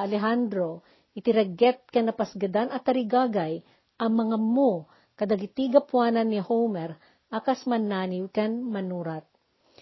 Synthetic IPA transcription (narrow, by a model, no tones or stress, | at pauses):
ɐlɛɦand̪ɾo | ʔɪt̪ɪɾɐɡɛt̪̚kɐnɐpɐsɡɐd̪anɐt̪ːɐɾɪɡaːɡaj | ʔɐŋmɐŋamo | kɐd̪aɡɪt̪iɡɐpwaːnɐnːɪhowmɛɾ | ʔakɐsmɐnaːniwkɐnmɐnuːɾat̪̚